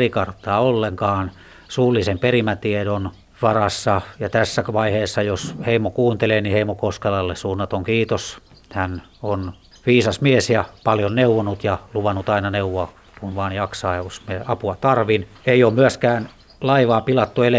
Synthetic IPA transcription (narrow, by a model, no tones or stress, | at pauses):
rikɑrt̪ːˑɑːolːeŋkɑːn | suːlːˑisemperimæt̪iedon | ʋɑrɑsːɑjɑt̪æsːæʋɑiheːsːɑjosheimokuːnt̪eleːniheimokoskelɑlːessuːnːɑt̪oŋkiːt̪os | hæn | on | ʋiːsɑsmiesjɑpɑljonneuʋonut̪jɑluʋɑnːut̪ɑinɑneuʋoɑ | kunʋɑːnjɑksɑeusmeeɑpuɑt̪ɑrʋin | eioːmmyæskæːn | lɑiʋɑːpilɑt̪ːuele